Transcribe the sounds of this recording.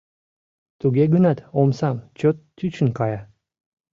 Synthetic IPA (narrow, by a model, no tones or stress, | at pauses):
t̪uɡʲeɡənɑt̪omsɑmt͡ɕot̪ːyt͡ɕə̆nkɑjɑ